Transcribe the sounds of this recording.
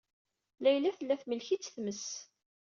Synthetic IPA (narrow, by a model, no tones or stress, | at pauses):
læjlæθəlːæθməlçit͡sːθməs